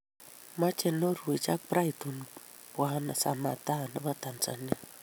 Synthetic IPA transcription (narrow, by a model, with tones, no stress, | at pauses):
ma˦t͡ʃɛ˨no˦ɾu˨e˨t͡ʃa˦k̚pɾa˦i˨tu˨n | pwa˦na˨sa̰˨ma˨ta˦na˦ba˦t̪a˨nt͡sa̰˨ni˦